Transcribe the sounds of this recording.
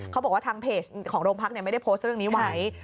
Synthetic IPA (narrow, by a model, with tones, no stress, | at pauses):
kʰa˦˥bɔː˨˩waː˥˩t̪ʰːŋpʰeː˨˩skʰɔː˩˦ŋɾoː˧ŋpʰa˦˥ni˧˩ma˥˩jda˥˩pʰoː˦˥st̪̚ɾɯ˥˩əniː˦˥wa˨˩˦j